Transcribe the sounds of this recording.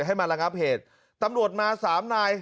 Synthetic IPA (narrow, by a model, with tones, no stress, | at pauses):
ɦa˥˩jma˧ɾa˧ŋa˦˥p̚heː˨˩t̪̚ | t̪ːa˧mɾu˨˩ət̪̚maː˧saː˩˦mnaː˧j